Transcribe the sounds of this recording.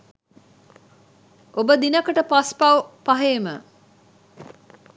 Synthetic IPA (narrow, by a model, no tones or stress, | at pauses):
ʔobəd̪inəkəʈəpaspɐwpɐɦeːmə